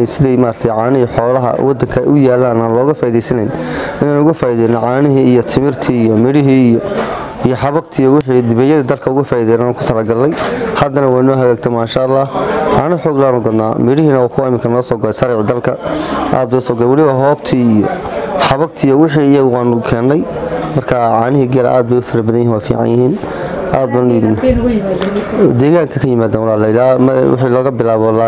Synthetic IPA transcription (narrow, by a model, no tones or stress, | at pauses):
nsɪðɛjmaːɾt̪ʰɛjʕaːnɪɦiːħɔːlɐɦɐ̰wʔɑd̪ɐŋkʰɐɛ̰jʔʊjaːlːaːnaːnlɔːɣɐfaːiðɛjsɐnɛjnɪnaːnʊɣɐfaːiðɛːjnɔʕaːnɪɦiːijɔt̪ʰɪmɪrt̪ʰiːijɔmɪɽɪɦiːijɔ | ijɔħɑβɐɡt̪ʰiːjɔwɪħiːd̪ɪβɛjɐðɐd̪ɐlkʰɐʊɣɐfaːiðɛːjnaːnʊkʰʊ̥t̪ʰɐlɐɡɐlːɛjhɐd̪ɐnɐwaːnɔːɦɐɣaːɡ̚t̪ʰɛmaːʃaɐlːɑːhʕɑːnɪħɔːɡlaːnʊɡɐd̪naːmɪɽɪɦiːnɐwaːkʰʊwaɪmɪkʰɐnɔːsɔːɡɐlɛjsɐɾɛʕd̪ɐlkʰɐʔa̰ːd̪̚bʊɐsɔːɡlɛwɑlɪβɐɦɔːbt̪ʰiːijɔħɑβɐɡt̪ʰiːjɔwɪħiːɪjɐɣʊaːnʊkʰɛːnːɛjmɐrkʰaʕɑːnɪɦiːɡɛɾɐ̰ʔa̰ːd̪̚bɛjʊfɐɾɐbɐðɐjɦinwaːfḭːʕɑ̰njɪhiːn | ʔaːd̪̚baːnjj | d̪ɛːɣaːŋkʰɐkʰɐjɪmaːd̪aːnwɑlaːlɛɪlaːwɪ̰ħiːlɔːɣɐbɪlaːβɔlaː